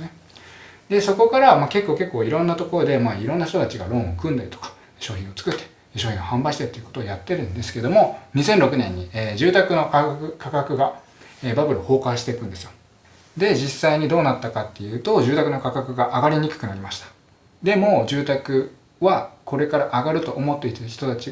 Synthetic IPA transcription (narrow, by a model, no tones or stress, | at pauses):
ne | d̪̥e̞so̞ko̞kaɾamaːke̞kːo̞ːke̞kːo̞ːiɾõ̞nːat̪o̞ko̞ɾo̞d̪e̞maːiɾõ̞nːaç̥t̪ot̪at͡ɕiɡa̰ɾõ̞ɰ̃o̞kɯ̟̃nd̪eɾʲi̥t̪o̥kḁ | ɕo̞ːçʲĩɰ̃o̞t͡sɨ̥kɯ̟t̪ːe̥ | ɕo̞ːçʲĩohãmbaiɕi̥t̪et̪ːeɯ̟kot̪o̞ːjat̪ːe̞ɾɯ̟̃nd̪e̞sɨ̥ked̪o̞mo̞ɲ̟isẽ̞nɾo̞kɯ̟nẽ̞ɲ̟ːieːd͡ʑɨːt̪akɯ̟no̞kakɯkakakɯ̟ɡa | eːbabɯ̟ɾɯoho̞ːkaɕi̥t̪e̞ikɯ̟̃nd̪e̞sɨjo | d̪e̞d͡ʑisːaiɲ̟id̪o̞ːnat̪ːakat̪ːe̞jɯ̟ːt̪o̞d͡ʑɨːt̪akɯ̟no̞kakakɯ̟ɡaʔaɡaɾʲiɲ̟ikɯ̟̥kɯ̟naɾʲimaɕi̥t̪ḁ | d̪e̞mo̞d͡ʑɨːt̪akɯ̟ | βako̞ɾe̞kaɾaʔaɡaɾɯ̟t̪o̞ʔːmo̞t̪ːe̞it̪açi̥t̪o̞t̪at͡ɕi